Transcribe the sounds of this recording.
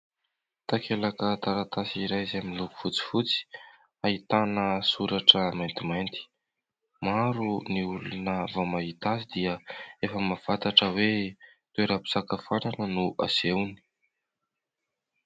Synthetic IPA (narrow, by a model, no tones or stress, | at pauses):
t̪akelakət̪aɾat̪asiɾajzeamiluku̥fut͡si̥fut͡si̥ | ait̪anəsuɾaʈ͡ʂəmajnt̪imajnt̪i̥ | maɾuniulunəvamaɦit̪asid̪iəefəmav̥at̪aʈ͡ʂəwe | t̪eɾapi̥sakəfananənuʔa̰sewni̥